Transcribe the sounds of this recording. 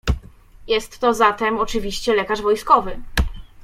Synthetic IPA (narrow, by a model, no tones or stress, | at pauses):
jɛst̪ːɔzat̪ɛmɔt͡ʂɘvʲiɕt͡ɕɛlɛkaʐvɔjskɔvɘ